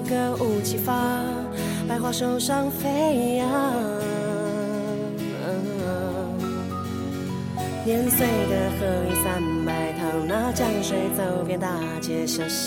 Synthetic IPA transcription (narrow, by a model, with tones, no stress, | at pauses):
kə˥˧ʔu˥˩t͡ɕi˥fa˥ | pa˥˧ɪxwa˥˩ʂo˥ʊʂɑ˥ŋfe˥ɪa˧˥˧ | njɛ˧˥nswe˥˩ɪd̪ə˩kɤ˥˧˩we˥˧sa˥˧npa˧˩ɪt̪ʰɑ˧˥ŋna˥˧t͡ɕjɑ˥˧ŋʂwe˧˥ɪt͡so˥˩ʊpjɛ˧nt̪a˥˧˩ | t͡ɕɛ˧ʂə˧